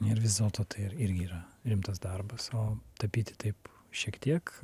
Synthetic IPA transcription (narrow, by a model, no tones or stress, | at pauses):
nʲɛɪrʋʲɪzd̪ʲelˠt̪oːt̪ɐɪɪɾɪɾʲɡʲɪiːɾɐɾʲɪmt̪ɐsd̪ɐrbɐsoːt̪ɐpʲiːt̪ʲɪ̥t̪ɐɪp | ʃʲiɛkt̪ʲiɛk